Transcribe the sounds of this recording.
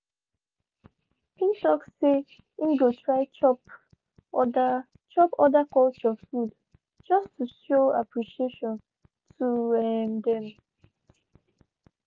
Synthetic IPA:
pĩŋtɔksːe | ĩnɡotɹaɪt͡ʃɔp | t͡ʃɔpɔdakɔlt͡ʃɔfud | d͡ʒɔstʰuʃoapʰɹiʃieʃɔ̃n | tʰuɛmdɛ̃m

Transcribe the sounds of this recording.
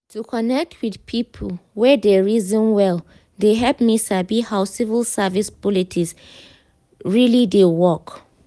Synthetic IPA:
tʰukʰɔnɛk̚tʰwidpʰipʰəlwɛdɛɹizɔ̃nwɛl | deɦɛpmisabihawsivəlˠsɛvispɔlitʰis | ɹilidewɔk

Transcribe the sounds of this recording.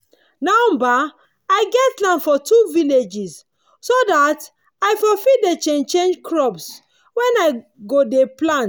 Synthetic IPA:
nãmba | aɪɡɛtlãnfɔtuviled͡ʒis | sodat | aɪfɔfidet͡ʃẽnt͡ʃẽnd͡ʒkʰɹɔbs | wɛ̃naɪ | ɡodeplãnt

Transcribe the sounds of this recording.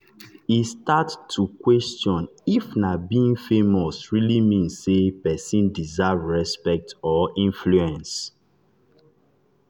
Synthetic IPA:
istattʰːukwɛstjɔ̃nifnabiĩŋfemɔsɹilimĩnsːepɛsĩndizavɹɛspɛk̚tɔĩnfluɛ̃ns

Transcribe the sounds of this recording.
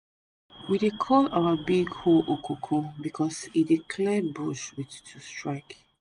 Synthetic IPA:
widekʰɔlawəbiɡhoʔokʰukʰũbikʰɔsidikʰlɛbuʃwittʰustɹ̥aɪk

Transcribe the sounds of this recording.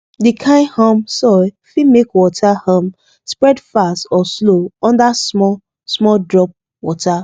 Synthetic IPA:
dikʰãɪhɔ̃msɔ | fimekwɔtʰahɔ̃m | spɹɛdfastɔsloɔ̃ndasmɔ | smɔldɹɔp̚ | wɔta

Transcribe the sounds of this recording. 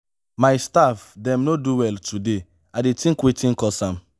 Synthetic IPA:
majstafdɛ̃mnoduwɛltʰude | adetĩŋkwetĩnkɔsãm

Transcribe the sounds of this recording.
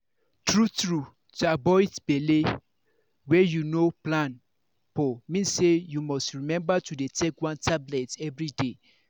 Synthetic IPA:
tɹutɹu | tuabɔɪdb̥ele | wɛjunoplãn | pɔmĩnsejumɔstɹimɛ̃mbatudetʰekwãntʰablɛtɛvɹide

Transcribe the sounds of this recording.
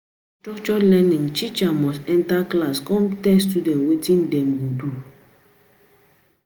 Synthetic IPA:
tɔt͡ʃɔlɛnĩŋt͡ʃit͡ʃamɔsɛ̃ntaklaskɔ̃mtɛstudɛ̃ntwetĩndɛmwudu

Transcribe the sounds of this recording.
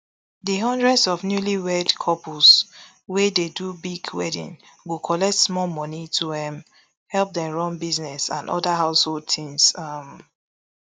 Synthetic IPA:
diɦɔ̃ndɹɛdsɔfnjuliwɛdkʰɔpus | wededubiɡwɛ̰dḭ̃n | wukʰɔlɛk̚tsmɔmɔ̃nitʰuɛ̃m | hɛlp̚dɛ̃mɹɔ̃nbiznɛsã̰ndɔ̰daɦaʊshold̚tʰĩŋsʌm

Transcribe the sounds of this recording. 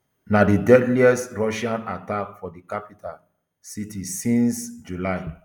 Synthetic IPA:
nadidɛdliɛstɹɔʃãnatakfɔdikapitʰal | sitisĩnsd͡ʒulaɪ

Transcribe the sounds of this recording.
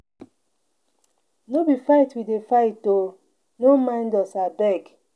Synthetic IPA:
nobifaitwidefaɪto | nomãɪ̃ndɔsabɛɡ

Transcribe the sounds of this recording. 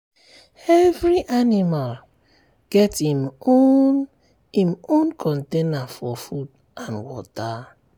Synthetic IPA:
ɛvɹiʔanimal | ɡ̥ɛtimo | ĩmõnkʰɔ̃ntenafɔfud | ʔãnwɔ̰ta

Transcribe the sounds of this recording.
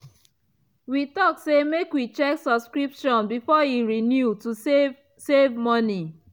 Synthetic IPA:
witɔksemekwit͡ʃɛksɔbskɹipʃɔ̃nbifɔiɹinjutue | sevmɔni

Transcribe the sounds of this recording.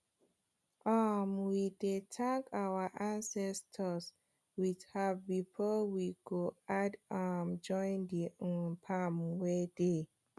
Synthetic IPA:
ʔamwidetʰãŋkawəʔãnsɛstʰəs | widhavbifɔwiɡoadamd͡ʒɔ̃ɪ̃ndiɔ̃npʰamwede

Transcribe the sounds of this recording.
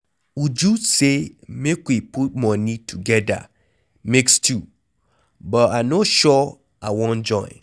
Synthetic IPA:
ud͡ʒusemekwipʰut̚mɔ̃nĩtʰuɡɛda̰ | mekstʰu | bɔtanoʃɔ | awɔ̃nd͡ʒɔ̃ɪ̃n

